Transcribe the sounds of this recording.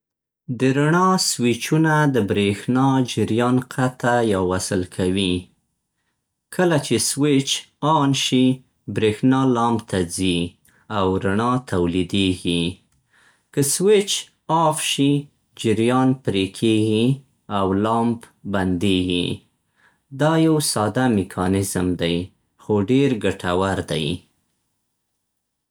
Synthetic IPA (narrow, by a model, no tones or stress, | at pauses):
d̪əɾaɳɑswɪt͡ʃunad̪əbɾexnɑd͡ʒɪɾjɑnqʰat̪ajawwasəlkʰawi | kʰəlat͡ʃeswɪt͡ʃ | ɑnʃi | bɾexnɑlɑmbt̪ʰad͡zi | awɾaɳɑt̪awlid̪eɡi | kəswɪt͡ʃ | ɑfʃi | d͡ʒɪɾjɑnpɾekʰeɡi | awlɑmb | band̪eɡi | d̪ɑjawsɑd̪amɪkʰɑnɪzmd̪aj | xoɖeɾɡaʈʰawaɾd̪a̰j